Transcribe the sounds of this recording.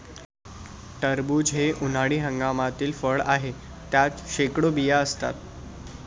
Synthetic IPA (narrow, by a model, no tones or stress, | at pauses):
ʈəɾbuːd͡ʑɦeʔun̤aɽiːɦəŋɡamat̪iːlfəɭaɦe | t̪jat͡sɕekɽobijaəst̪a̰t̪̚